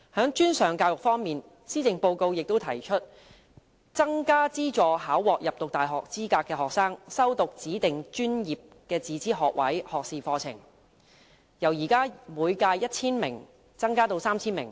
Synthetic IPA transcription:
hœː˨˥ŋt͡ʃyː˥nsœː˨˩ŋkaː˧wjʊ˨k̚fɔː˥ŋmiː˨n | siː˥t͡sɪ˨ŋpo˧wko˧wjɪ˨k̚t̪o˥wt̪ʰɐ˨˩jt͡ʃʰɵ˥t̚ | t͡sɐ˥ŋkaː˥t͡siː˥t͡ʃɔː˨˩ɦaː˨˥wwɔː˨k̚jɐ˨p̚t̪ʊ˨k̚t̪aː˨˩jɦɔː˨k̚t͡siː˥kaː˧kːɛː˧ɦɔː˨k̚saː˥ŋsɐ˥wt̪ʊ˨k̚t͡siː˨˥t̪ɪ˨ŋt͡ʃyː˥njiː˨p̚kɛː˧t͡siː˨˥t͡siː˥ɦɔː˨k̚wɐ̰˨˥jhɔː˨k̚siː˨fɔː˧t͡sʰɪ̰˨˩ŋ | jɐ˨˩wjiː˨˩kaː˥muː˨˧jkaː˧jjɐ˥t̚t͡sʰiː˥nmɪ˨˩ŋ | t͡sɐ˥ŋkaː˥t̪o˧wsaː˥mt͡sʰiː˥nmɪ˨˩ŋ

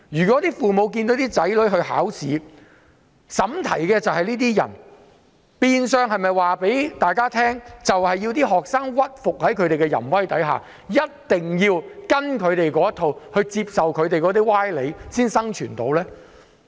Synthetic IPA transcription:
jyː˨kɔ˨˥t̪iː˥fuː˨mo˨˧wk̬iː˧nt̪o˨˥t̪iː˥t͡sɐ˨˥jlɵ˨˥ɥɦɵ˧ɥɦa̰ː˨˥wsiː˨˥ | sɐ˨˥mt̪ʰɐ̰˨˩jkɛː˧t͡sɐ˨whɐ˨jniː˥t̪̬iː˥jɐ̰˨˩n | piː˧nsœː˧ŋɦɐ˨jmɐ˨jwaː˨pe˨˥jt̪aː˨jkaː˥t̪ʰɛː˥ŋt͡sɐ˨whɐ˨jːi˧wt̪iː˥ɦɔː˨˩k̚saː˥ŋwɐ˥t̚fʊ˨k̚hɐ˨˥jkʰɵ˨˧ɥɾe˨jkɛ˧jɐ̰˨˩nwɐ˥jt̪ɐ˨˥jɦa̰ː˨˩ | jɐ˥t̚t̪ɪ˨˩ŋjiː˧wkɐ˥nkʰɵ˨˧ɥt̪e˨jkɔː˨˧˥jɐ˥t̪ʰo˨˧whɵ˧ɥt͡siː˧p̚sɐ˨wkʰɵ˨˧ɥt̪e˨jkɔː˨˥t̪iː˥waː˥jle˨˧jsiː˥nsɐ˥ŋt͡ʃʰyː˨˩nt̪o̰˨˥wlɛː˥

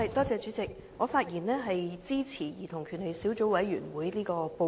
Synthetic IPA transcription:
t̪ɔː˥t͡sɛː˨˧t͡ʃy˨˥t͡sɪ˨k̚ | ŋɔː˨˧faː˧t̚jiː˨˩nlɛː˥ɦɐ˨jt͡siː˥t͡sʰiː˨˩jiː˨˩t̪ʰʊ˨˩ŋkʰyː˨˩nle˨˩jsiː˨˥wt͡so˨˥wɐ˨˥jɥyː˨˩nwuː˨˥jliː˥kɔː˧po˧

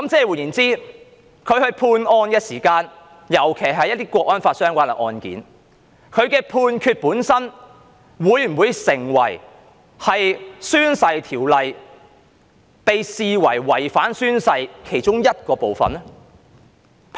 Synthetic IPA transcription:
kɐ˨˦mt͡sɛː˧˥wuː˨˩njiː˨˩nt͡siː˥ | kʰɵ˨˧ɥhɵ˧ɥpʰuː˧nɔː˧njɐ˥t̚siː˨˩kaː˧n | jɐ˨˩wkʰe˨˩jɦɐ˨˧jɐ˥t̪iː˥kʷɔː˧k̚ʔɔː˥nfaː˧t̚sœː˥ŋkʷaː˥lɐ˨˩ʔɔ̰ː˧nkḭː˨˥n | kʰɵ˨˧ɥkɛː˧pʰuː˧nkʰyː˧t̚puː˨˥nsɐ˥n | wuː˨˧˥jm̩˨˩wuː˨˧jsɪ˨˩ŋwɐ˨˩j | hɐ˨jsyː˥nsɐ˧jt̪ʰiː˨˩wlɐ˨j | pe˨jsiː˨wɐ˨˩jwɐ˨˩jfaː˨˥nsyː˥nsɐ˧jkʰe˨˩jt͡ʃʊ˥ŋjɐ˥t̚kɔː˧po˨˧wfɐ̰˨nɛ˥

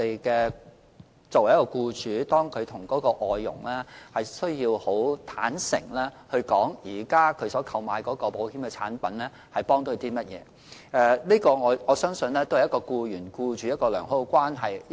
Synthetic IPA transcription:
e˨jkɛː˧ | t͡so˨wɐ˨˩jɐ˥kɔː˧kuː˧t͡ʃyː˨˥t̪ɔː˥ŋkʰɵ˨˧t̪ʰʊ˨˩ŋkɔː˨˥kɔː˧ʔɔː˨jːʊ̰˨˩ŋlɛː˥hɐ˨jsɵ˥ɥjiː˧who˨˥wt̪ʰaː˨˥nsɪ̰˨˩ŋlɛː˥hɵ˧ɥkɔː˨˥ŋjiː˨˩kaː˥kʰɵ˨˧˥ɥsɔː˨˥kʰɐ˨wmaː˨˧jkɔː˨˥kɔː˧po˨˥whiː˨˥mkɛː˧t͡sʰa̰ː˨˥npɐ˨˥nlɛː˥ | hɐ˨˩jpɔː˥ŋt̪ɵ˧ɥt̪iː˥mɐ˥t̚jɛ̰ː˨˧ | ɛ˨˧liː˥kɔː˧ŋɔː˨˧˥ŋɔː˨˧sœː˥ŋsɵ˧nlɛː˥t̪o˥whjɐ˥kɔː˧kuː˧jyː˨˩nkuː˧t͡ʃyː˨˥jɐ˥t̚kɔː˧lœ̰ː˨˩ŋɦo˥kʷaː˥nɦɐ˨j

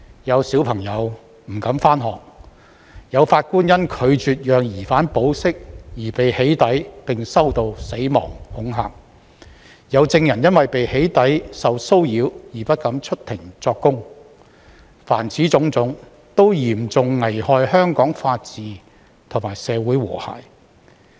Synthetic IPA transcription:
jɐ˨˧wsiː˨˥wpʰɐ˨˩ŋjɐ˨˧w | m̩˨˩kɐ˨˥mfaː˥nɦɔː˨k̚ | jɐ˨˧wfaː˧t̚kuː˥njɐ˥nkʰɵ˨˧ɥt͡ʃyː˨t̚jœː˨ŋjiː˨˩faː˨˥npo˨˥wsɪ˥k̚jiː˨˩pe˨jhe˨˥jt̪ɐ˨˥jpɪ˨ŋsɐ˥wt̪o˧wse˨˥jmɔ̰ː˨˩ŋhʊ˨˥ŋɦa̰ː˨k̚ | jɐ˨˧wt͡sɪ˧ŋjɐ˨˩njɐ˥nwɐ˨jpe˨jhe˨˥jt̪ɐ˨˥jsɐ˨wso˥wjiː˨˧wjiː˨˩pɐ˥t̚kɐ˨˥mt͡ʃʰɵ˥t̚t̪ʰɪ˨˩ŋt͡sɔː˧kːʊ˥ŋ | fa̰ː˨˩nt͡sʰiː˨˥t͡sʊ˨˥ŋt͡sʊ˨˥ŋ | t̪o˥wjiː˨˩mt͡sʊ˨ŋːɐ˨˩jhɔː˧jhœː˥ŋkɔː˨˥ŋfaː˧t̚t͡siː˨˧ | t̪ʰʊ˨˩maː˨˩jsɛː˨˧wuː˨˥jwɔ̰ː˨˩ha̰ː˨˩j

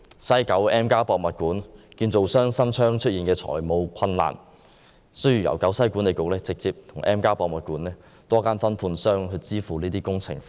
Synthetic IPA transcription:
sɐ˥jkɐ˨˥wɛː˥mkaː˥pɔː˧k̚mɐ˨t̚kuː˨˥nkiː˧nt͡so˨wsœː˥ŋsɐ˥mt͡ʃʰœː˥ŋt͡ʃʰɵ˥iː˨nkɛː˧t͡sʰɔ̰ː˨˩jmo˨˧wkʰɐ˧nla̰ː˨˩n | sɵ˥ɥjy˨˩jɐ̰˨˩wkɐ˨˥wsɐ˥jku˨˥nle˨jkʊ˨k̚lɛː˥t͡sɪ˨k̚t͡siː˧p̚t̪ʰʊ˨˩ŋʔɛː˥mkaː˥pɔː˧k̚mɐ˨t̚kuː˨˥nɛː˥ | t̪ɔː˥kaː˥nfɐ˥npʰuː˧nsœː˥ŋɦɵ˧t͡siː˥fuː˨liː˥t̪iː˥kʊ˥ŋt͡sʰɪ̰˨˩ŋ

